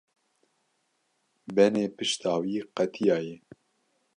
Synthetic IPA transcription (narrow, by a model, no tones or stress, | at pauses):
bɛneːpɨʃt̪ʰɑːwiːqɛt̪ʰijɑːjɛ